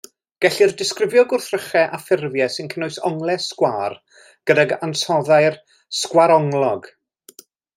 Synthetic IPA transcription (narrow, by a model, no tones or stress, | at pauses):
ɡ̥ɛɬirdɪskrɪvjɔɡʊrθrəχɛʔafɪrvjɛsɪnkʰənoɨsɔŋlˠɛskwaːr | ɡ̥ədaɡa̰nsɔðajr | skwaɾɔŋlˠɔɡ